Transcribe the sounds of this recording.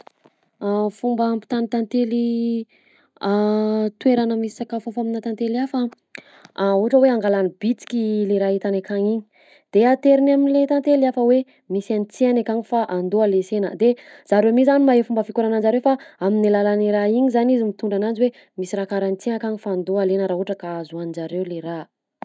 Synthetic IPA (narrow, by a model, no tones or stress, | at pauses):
afumbəmpi̥t̪anit̪ant̪eli | at̪weɾanəmisi̥sakafafaminat̪ant̪eliafə | auɦaʈ͡ʂəweaŋɡalanibit͡si̥kʲileɾaɦit̪anekaŋiɲi̥ | d̪̥eat̪eɾinaminlet̪ant̪eliafəwe | misanit͡sianakaŋifaʔand̪oalesenə̰d̪ez̥aɾemizanimaɦefumbəfikuɾanand͡ʒaɾewfaaminilalaniɾaiɲizanizimit̪uɳɖ͡ʐanand͡ʒiwe | misiɾakaɾanit͡sienakaŋifaːnd̪oalenəɾauʈ͡ʂəkaazuanid͡ʒaɾewleɾa